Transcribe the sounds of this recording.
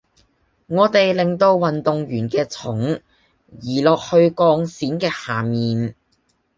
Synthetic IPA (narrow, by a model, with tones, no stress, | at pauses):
ŋɔː˨˧t̪e˨jlɪ˨˩ŋt̪o˧wwɐ˨nt̪ʊ˨ŋjyː˨˩nkɛː˧t͡sʰʊ˨˥ŋ | jiː˨˩lɔː˨k̚hɵ˧ɥkɔː˧ŋsiː˨˥nkɛː˧haː˨˩miː˨n